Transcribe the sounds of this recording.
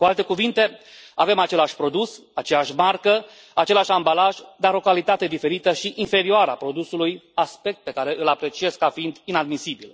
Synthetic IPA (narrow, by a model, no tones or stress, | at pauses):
kualt̪ekuvint̪e̞ave̞mat͡ʃe̞laʃʲpɾo̞d̪us | at͡ʃe̞aʃʲmarkə | at͡ʃe̞laʃʲambalaʒd̪aɾo̞kalit̪at̪e̞d̪ife̞ɾit̪əʃiʔinfe̞ɾioaɾəa̰pɾo̞d̪usulujaspe̞k̚t̪̚pe̞kaɾe̞ʔɨlapɾe̞t͡ʃie̞skːafiind̪inad̪misibil